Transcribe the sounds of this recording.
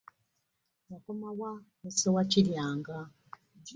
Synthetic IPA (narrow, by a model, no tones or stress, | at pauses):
jakomawanesowaciljaːŋɡa